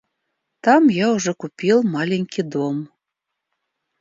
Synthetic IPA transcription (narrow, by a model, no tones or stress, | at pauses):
t̪ɑmjɑuʐɛkupʲilˠmɑlʲeŋʲkʲid̪om